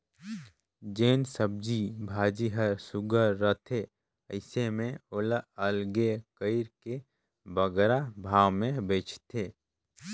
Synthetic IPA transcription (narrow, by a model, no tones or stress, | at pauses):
d͡ʒeːnsəb̚d͡ʒibʱaːd͡ʒiɦəɾsʊɡəɾːət̪ʰe | əɪsemẽoləəlɡekəɪɾke | bəɡɾabʱaːwmẽbeːt͡ʃʰt̪ʰeː